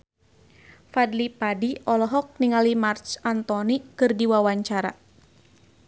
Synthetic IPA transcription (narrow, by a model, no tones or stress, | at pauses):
fadlipadiɔlɔɦɔk̚niŋalimart͡ʃant̪ɔnikɨrdiwawaɲt͡ʃaɾa̰